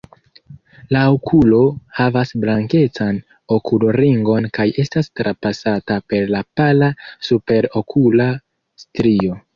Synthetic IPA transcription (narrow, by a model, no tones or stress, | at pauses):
laokʰulo̞havasblaŋke̞t͡san | o̞kʰuloɾiŋɡo̞nkaje̞stastɾʔapasatape̞ɾlapalasupe̞ɾo̞kʰula | stɾio̞